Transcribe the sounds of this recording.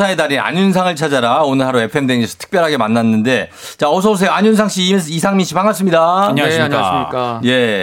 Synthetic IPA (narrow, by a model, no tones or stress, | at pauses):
sʰaedaɾia̰ɲunsʰaŋɯɭt͡ɕʰad͡ʑaɾaonɯɭɦaɾoe̞pʰɯemdweŋisʰʌ̥tʰɯ̥k̚p͈jʌɾɦaɡe̞manːanːɯnde̞ | t͡ɕaʌs̬ʰʌus̬ʰeaɲuns̬ʰaŋɕ͈ʰiːmes̬͈ʰɯisʰaŋminɕʰipaŋas͈ɯmɲidaaɲɕkaa̰ik͈je̞